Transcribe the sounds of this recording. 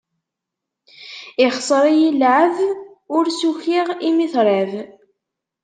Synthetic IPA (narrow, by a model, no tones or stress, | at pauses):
ɪχsˤɾˤijilʕəð | ʊɾsuçiʁimiθɾˤæð